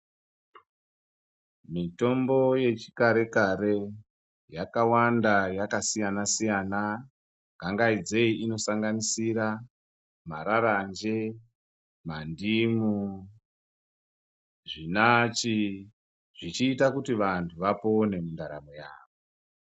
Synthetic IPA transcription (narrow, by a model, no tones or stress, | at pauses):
mito̞mbo̞je̞t͡ʃi̥kaɾe̞kaɾe̞ | jakawandajakasijanasijana | ɡʱaŋɡaid͡ze̞iino̞saŋɡanisiɾa | maɾarand͡ʒe̞ | mandimu | ʐinat͡ʃi | ʐ̥it͡ʃiːtakutiʋantʰuʋapone̞mundaɾa̰moja̰ːʋo